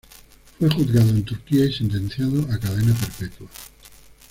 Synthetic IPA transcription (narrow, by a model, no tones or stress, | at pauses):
fwe̞xuθɣaðoe̞nt̪uɾkiaisent̪̬en̟θjaðoʔakaðe̞nape̞ɾpet̪wa